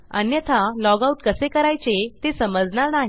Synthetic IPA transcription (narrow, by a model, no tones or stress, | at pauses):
ə̰njət̪ʰalɔɡauʈkəsekəɾajt͡set̪esəməd͡zɳaɾnaɦi